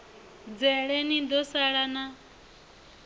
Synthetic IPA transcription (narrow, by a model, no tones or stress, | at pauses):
d͡zɛɺɛnid̪ɔsaɺana